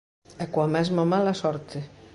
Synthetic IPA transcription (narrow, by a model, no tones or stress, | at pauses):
ɛkwamɛzmamalasɔɾt̪ʰe